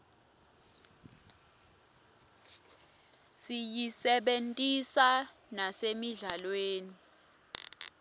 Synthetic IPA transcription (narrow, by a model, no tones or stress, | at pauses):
sijisɛɓentʼisa | nasemiɮalweːni